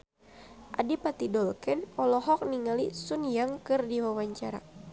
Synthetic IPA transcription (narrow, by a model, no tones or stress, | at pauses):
ʔa̰dipat̪idɔlkɛnɔlɔɦɔk̚niŋalisunjaŋkɨrdiwawaɲt͡ʃaɾa̰